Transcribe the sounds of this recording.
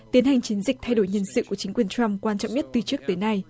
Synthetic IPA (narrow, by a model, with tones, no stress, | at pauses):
t̪i˨˦ənha˨˩ŋ̟t͡ɕi˨˦ənzï˨˩k̟̚t̪ʰa˧jɗo˧˩jɲi˧˩ənsɨ̰˧˨ku˧˩ət͡ɕï˨˦ŋ̟kwi˨˩ənt͡ɕa˧mkwaː˧nt͡ɕɔ̰˧˨wŋ͡mɲə˦˥t̚t̪ɨ˨˩t͡ɕɨ˦˥ək̚t̪əː˨˦jna˧j